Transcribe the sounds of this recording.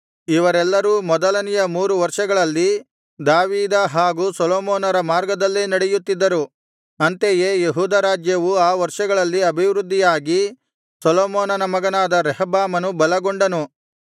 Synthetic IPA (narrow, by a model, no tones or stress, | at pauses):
iʋɐɾɛlːɐɾuːmɔd̪ɐlɐnijɐmuːɾuʋɐɾʂɐɡɐɭɐlːi | d̪aːʋiːd̪ɐɦaːɡuːsɔlɔːmoːnɐɾɐmaːɾɡɐd̪ɐlːeːnɐɽejut̪ːid̪ːɐɾu | ɐnt̪ejeːjeɦuːd̪ɐɾaːd͡ʒjɐʋuaːʋɐɾʂɐɡɐɭɐlːiɐbʱiʋɾud̪ːijaːɡi | sɔloːmɔːnɐnɐmɐɡɐnaːd̪ɐɾɛɦbaːmɐnubɐlɐɡoɳɖɐnu